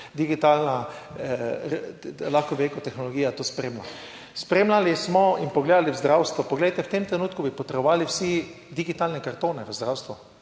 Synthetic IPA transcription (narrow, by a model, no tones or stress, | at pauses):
d̪iɡit̪aːlna | laxkɔʋɛlekɔt̪ɛxnɔlɔɡiːjat̪oːspɾeːmla̰ | spɾeːmlalismɔinpɔɡleːd̪aliwzd̪ɾawst̪ʋɔpɔɡlejt̪ɛwt̪emt̪ɾɛnuːt̪kubipɔt̪ɾbɔʋaːliwsi | d̪iɡit̪aːlnɛkaɾt̪oːnɛʋəzd̪ɾawst̪ʋu